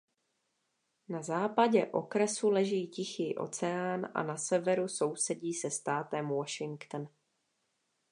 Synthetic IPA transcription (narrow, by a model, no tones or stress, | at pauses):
nazaːpaɟɛʔo̞kɾɛsulɛʒiːcɪxɪʔo̞̰t͡sɛaːnʔa̰nasɛvɛɾuso̞wsɛɟiːsɛst̪aːt̪ɛmwoʃɪŋkt̪n